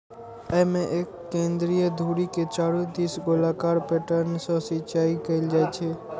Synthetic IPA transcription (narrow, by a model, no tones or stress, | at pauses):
əɦmẽʔeːkːẽːnd̪ɾijəd̪ʱuɾiket͡ʃaːɽũt̪isɡolakaːɾpeʈəɾnsɔ̃sɪt͡ʃaːikəɪld͡ʒaɛt͡ʃʰe